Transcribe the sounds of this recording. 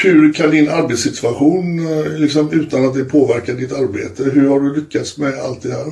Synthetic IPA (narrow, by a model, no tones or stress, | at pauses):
hʉɾkʰand̪ɪnaɾbet̪sɪt̪ʰvaɧuːnlɪksɔmʉ̟ːt̪anat̪̚d̪ɛpʰoːvæɾkaɖɪt̪aɾbḛːt̪əɦɵɾhaɖɵlʏkːat̪smɛa̰lt̪d̪ɛhæːɾ